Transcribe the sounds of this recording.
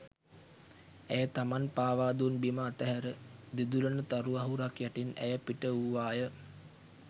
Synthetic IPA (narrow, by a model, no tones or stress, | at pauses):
æjət̪amanpaːʋaːd̪unbiməːt̪əɦæɾəd̪id̪ulənət̪aɾuaɦuɾakjæʈinæ̰jəpiʈəuʋaːjə